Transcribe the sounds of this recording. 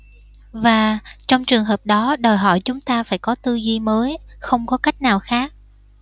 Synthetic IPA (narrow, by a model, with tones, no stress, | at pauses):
vaː˨˩t͡ɕɔ˧wŋ͡mt͡ɕɨ˨˩əŋɦəː˨˩p̚ɗɔ˨˦ɗɔ˨˩jɦɔ̰˧˨jt͡ɕʊ˨˦ŋ͡mt̪aː˧faː˧˩jkɔ˨˦t̪ɨ˧zi˧məː˨˦jxə˧wŋ͡mkɔ˨˦ka˦˥jk̟̚naː˨˩wxaː˦˥k̚